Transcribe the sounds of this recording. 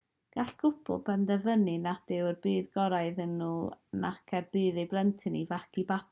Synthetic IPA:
ɡ̥aɬɡ̥ʊpʰʊ̰lˠb̥ɛndɛvənɨnad̥ɪwrbɨːðɡɔɾaɨðənuːna̰kʰɛrb̥ɨːðɨblˠɛntʰɨnivakʰibap

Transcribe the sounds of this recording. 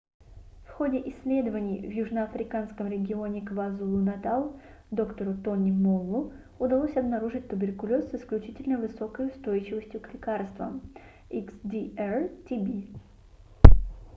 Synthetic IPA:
fxo̞dʲɪʔɪsʲːlʲe̞d̪əvənʲɪjvjuʐnəɐfɾʲɪkanskəmɾʲɪɡʲɪo̞nʲɪkvazulˠʊnɐt̪alˠ | d̪o̞kt̪əɾʊt̪onʲɪmolˠːʊ | ʊd̪ɐlˠosʲɐbnɐɾuʐɨt̚ʲt̪ʊbʲɪrkʊlʲo̞sːɨsklʲʉt͡ɕitʲɪlʲnəvɨso̞kəjʊst̪ojɪt͡ɕɪvəsʲtʲjʊklʲɪkarst̪və̰m | iksd̪ʲiɛrtʲibʲi

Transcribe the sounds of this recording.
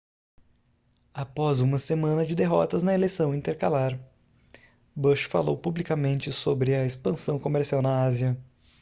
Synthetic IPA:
apɔzũmɐsemɐ̃nɐd͡ʒɪd̪eɦɔt̪ɐznɐelejsɐ̃w̃ĩnt̪eɾkalaɾ | bəʃfa̰lowpublikamẽnt͡ʃɪsobɾɪɐespɐ̃sɐ̃w̃komeɾsiawnɐaziɐ

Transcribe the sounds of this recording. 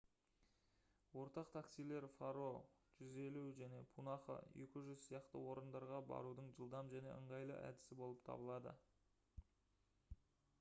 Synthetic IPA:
wo̞ɾt̪ɑqt̪ʰaksijle̞ɾfaɾo̞ʒ̥ʏze̞luʒæne̞pʰunɑχə̰je̞kʲɪʒʏzsijɑqt̪ə̰wo̞ɾənd̪ɑɾʁɑbɑ̰ɾud̪əɴʒəlˠd̪ɑmʒæne̞̰əɴʁɑjlˠə̰ʔæ̰d̪ɪ̥sɪbo̞lˠəpt̪ʰɑ̰bəlˠɑd̪ə̰

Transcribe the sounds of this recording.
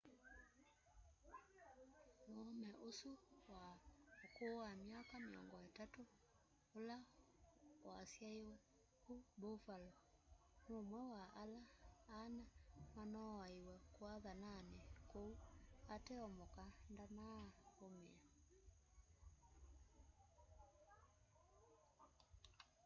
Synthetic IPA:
noɔmɛʔosuwaokoamiakameɔ̰ŋɡɔetatoː | la | wasjaeo | kubofalɔ | nomwɛwaʔalaːnamanɔaiwɛkwaðananɛkouatɛɔmɔkandanaomea

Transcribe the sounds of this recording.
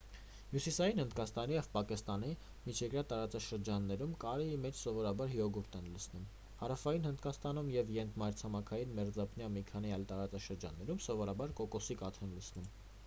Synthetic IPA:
mjusisɑjinhənd̪kɑst̪ɑnijɛvpɑkist̪ɑn̪i | mit͡ʃʰɛkɾjɑt̪ɑɾɑt͡sɑʃəɾd͡ʒɑnːɛɾumkɑɾɛimɛt͡ʃʰsɔvɔɾɑbɑɾhiɔɡuɾt̪ʰɛnləsnum | hɑɾɑfɑjinhənd̪kɑst̪ɑnumjɛvjɛnt̪ʰmɑjɾt͡sʰɑmɑkʰɑjinmɛɾd͡zɑpʰnjɑmikʰɑn̪iɑjlt̪ɑɾɑt͡sɑʃəɾd͡ʒɑ̰nːɛɾumsɔvɔɾɑbɑɾkɔkɔsikɑt̪ʰɛnləsʰnum

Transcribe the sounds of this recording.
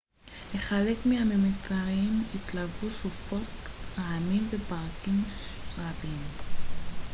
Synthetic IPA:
le̞χale̞kmehamemet͡saʁimit̪lavusufo̞tlaʕamimvepaʁkimʁabim

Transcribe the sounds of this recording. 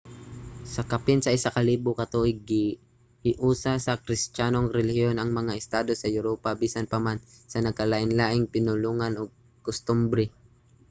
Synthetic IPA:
sɐkapɪnsɐʔɪsakɐliːbʊkɐt̪oʔɪɡɪ | hɪʔuːsasɐkɾɪst͡ʃaːnoŋɾɛlɪhjonʔɐŋmɐŋaʔɪst̪aːd̪o̞sɐjʊɾoːpabiːsanpɐmansɐnɐɡ̚kɐlaʔɪnlaːʔɪŋpɪnʊluːŋanʔoɡ̚ | kʊst̪ʊmbɾɛ

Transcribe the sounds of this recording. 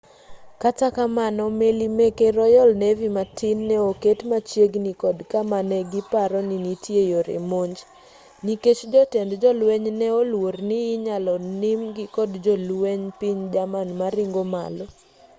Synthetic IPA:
katakamanɔmelimekeɾɔjɔlnevimatɪnːɛoketmat͡ʃjeɡnikɔdkamanɛɡɪpaɾɔninitjejoɾḛmoɲd͡ʒ | niket͡ʃd͡ʒɔtɛndd͡ʒɔlwɛɲnɛolwornɪːɲalɔnɪmɡɪkɔdd͡ʒɔlweɲpiɲd͡ʒamanmaɾɪŋɡoma̰lɔ

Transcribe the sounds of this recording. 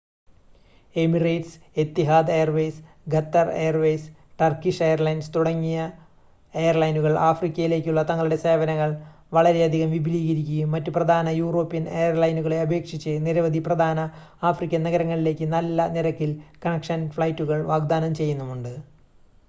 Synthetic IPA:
e̞mirɐjʈs | et̪ːiɦaːd̪ejɐrʋejs | ɡɐt̪ːɐrejɐrʋejs | ʈɐrkiʂejɐrlɐjnst̪uɽɐŋːijɐ | ejɐrlɐjnuɣɐɭʔaːfrikʲːɐjile̞ːkʲːuɭːɐt̪ɐŋːɐɭuɽe̞se̞ːbɐnɐŋːɐɭ | ʋɐɭɐɾe̞ɐd̪ʱiɣɐmʋibʱiliːɣɐɾikʲːujumːɐtːuprɐd̪ʱaːnɐjuːro̞ːpːinejɐrlɐjnuɣɐɭe̞ɐbʱe̞ːkʂit͡ɕːɨniɾɐʋɐd̪ʱiprɐd̪ʱaːnɐaːfrikʲːɐnɐɣɐɾɐŋːɐɭile̞ːkʲːɨnɐlːɐniɾɐkːilkɐnɐkʂɐnfɭɐjtːuɣɐɭʋaːɡd̪aːnɐmt͡ɕe̞jːunːɐmuɳɖɨ

